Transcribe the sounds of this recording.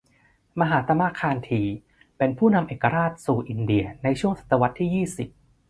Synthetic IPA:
ma˧ɦaː˩˦t̪a˧maː˧kʰaː˧nt̪ʰiː˨˩ | pe˧npʰuː˥˩na˧mʔeː˨˩kːa˧ɾaː˥˩t̪̚suː˨˩ʔi˨˧˩ndi˨˩ɐna˧jt͡ɕʰu˥˩əŋsa˨˩t̪ːa˧wa˦˥t̪ʰːiː˥˩jiː˥˩si˨˩p̚

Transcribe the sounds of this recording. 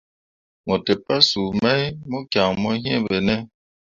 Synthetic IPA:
mɔ˨tɛ˨pa˦su˨mɛ˦i˦mɔ˦kja˨ŋmɔ˦ɦĩ˦ɛ̃˦˨bɛ˨nɛ˦

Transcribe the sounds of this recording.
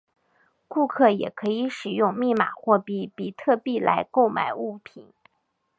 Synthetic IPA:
ku˥˧kʰɤ˥˩jɛ˨˩kʰɤ˧˥i˧˥ʂɻ̩˨˩jʊ˥˧ŋmi˥˩ma̰˨˩xwɔ˥˩pi˥˩pi˨˩t̪ʰɤ˥˧pi˥˩lʔa̰˧˥ɪko˥˩ʊma̰˨˩ɪu˥˩pʰḭ˨˩˦n

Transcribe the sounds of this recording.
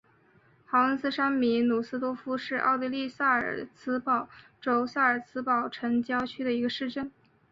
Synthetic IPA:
xɑ˧˥ʊə˥ns̩˥ʂa˥nmi˧˥nu˨˩sɹ̩˥t̪wɔ˥fu˥ʂɻ̩˥˧ʔɑ̰˥˧ʊt̪i˥˧li˥˧sa˥˩ə˞˨˩t͡sʰɹ̩˥pɑ˥˩ʊʈ͡ʂo˧˥ʊsa˥˩ə˞˨˩t͡sʰɹ̩˥pɑ˥˩ʊʈ͡ʂʰə˧˥ŋt͡ɕjɑ˥ʊt͡ɕʰy˥d̪ə˨i˧˥ɡə˧ʂɻ̩˥˧ʈ͡ʂə˥˩n

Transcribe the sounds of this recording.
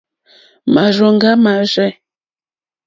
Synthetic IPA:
ma˨ʒɔ˨ŋ˦ɡa˦ma˨ʒɛ˦

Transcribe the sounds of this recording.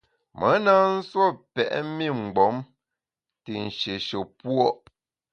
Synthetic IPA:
mʔə˨˦na˦n̩˦swo˦˨pɛ̰˨ʔmi˦˨ŋ͡m̩˨ɡ͡bɔ˨˦m | ti˨n̩˨ʃe˨ʃo˨pwɔ˦ʔ

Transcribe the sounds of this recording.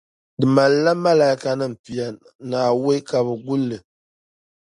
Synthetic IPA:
dɨ˨ma˨lla˦ma˦la˨i˦ka˦nɨ˦m̩˨pi˨ja˨ | naː˨we˦ka˨bɨ˨ɡu˦lːɨ˨

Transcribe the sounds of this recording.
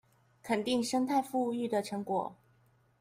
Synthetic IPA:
kʰə˨˩nt̪i˥˩ŋʂɤ˥ŋt̪ʰa˥˧ɪfu˥˧y˥˩d̪ə˨˩ʈ͡ʂʰɤ˧˥ŋkwɔ˨˩˦

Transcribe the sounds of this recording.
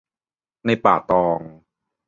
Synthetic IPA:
na˧˩jpa̰ː˨˩t̪ɔː˧ŋ

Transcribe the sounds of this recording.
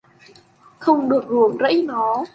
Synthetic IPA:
xə˧wŋ͡mɗɨ˨˩ək̚zu˨˩əmzə̰˧˥jnɔ˨˦

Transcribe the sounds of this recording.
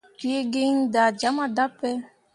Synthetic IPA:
ti˦e˦ɡe˦ŋ˦da˨d͡ʒa˨˦ma˦da˦pɛ˦

